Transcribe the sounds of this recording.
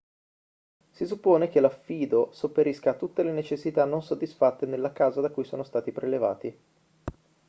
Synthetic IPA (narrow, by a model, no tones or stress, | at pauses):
sisupːoːnek̟elafːiːd̪osopːeɾiskaːt̪ːut̪ːelenet͡ʃesːit̪anːonsod̪ːisfat̪ːenelːakaːzad̪akːujsoːnost̪aːt̪ipɾeleva̰ːt̪i